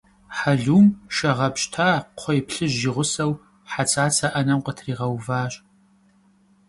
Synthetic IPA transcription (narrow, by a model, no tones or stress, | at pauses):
ħaɮuːmʃɐʁɐpɕtʰaːqʷʰɔjpɬɨʑːiʁʷʊsɐw | ħat͡sʼaːt͡sʰʼɐʔɐnɐmqətʰriːʁɐwvaːɕʼ